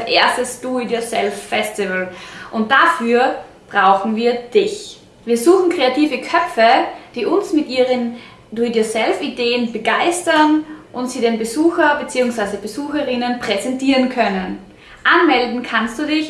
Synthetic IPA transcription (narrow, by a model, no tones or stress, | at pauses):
ʔeːɐstəsd̥uidosɛlffɛstɪvəlʔʊnt̚d̥afyːɐ | b̥ʁaʊxn̩viːɐd̥ɪç | viːɐzuːxn̩kʁ̥eatʰiːvəkʰœpp͡fəd̥iːʔʊnsmɪtʔiːʁən | d̥uidisɛlfideːənbəɡaɪstɐnʔʊntz̥iːdeːnbəzuːxɐbət͡siːʊŋsv̥aɪzəbəzuːxəʁɪnənpʁ̥ɛzɛntʰiːʁənkʰœnən | ʔanmɛldn̩kʰanstd̥uːdɪç